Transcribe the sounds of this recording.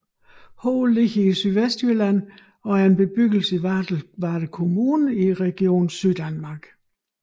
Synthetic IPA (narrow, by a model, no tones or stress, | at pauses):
hɔʊlːiɡ̥əisyðˠʋesd̥ølæn̰ | ɒ̽æɐe̝nb̥e̝b̥yɡ̥l̩səiʋæ̥ʋɑ̈ːɾ̥əkʰo̝muːnəiʁɛɡ̥io̝̰ːn̩syð̰ˠd̥ænmɑ̈ɡ̥